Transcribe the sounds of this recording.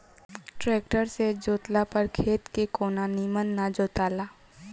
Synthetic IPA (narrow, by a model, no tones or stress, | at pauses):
ʈɾɛːk̚ʈəɾsed͡ʒoːt̪lapəɾkʰeːt̪kekoːnanimənːad͡ʒoːt̪aːlaː